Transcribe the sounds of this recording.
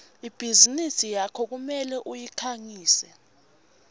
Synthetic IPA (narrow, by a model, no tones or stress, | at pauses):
ib̥ʱizinisijakʰɔk̬umɛlɛʔujikʰaŋiːsɛ